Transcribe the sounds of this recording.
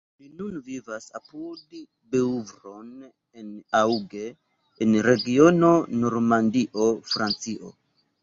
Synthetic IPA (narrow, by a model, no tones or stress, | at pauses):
linunvivasa̰pud | beuvɾo̞n | enawɡe̞ː | nɾe̞ɡio̞no̞no̞ɾmandiʔo̞fɾant͡siʔo̞̰